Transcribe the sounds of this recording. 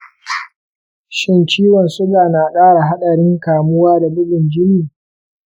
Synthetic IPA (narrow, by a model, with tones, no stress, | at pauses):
ʃɪ˦nt͡ʃiː˦wɔ˨nsʊ˦ɡaː˨na˨kʼaː˦ɽa˨ɦa˦ɗɐ˨ɽɪ˦ŋkaː˨mʊ˦waː˦da˨bʊ˦ɗɪ˨nd͡ʒɪ˦niː˨